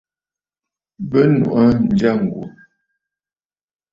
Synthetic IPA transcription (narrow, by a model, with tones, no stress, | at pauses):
bə˦nṵ˨ʔə˦n˨d͡ʒa˦˨ŋ̩˨ɡṵ˨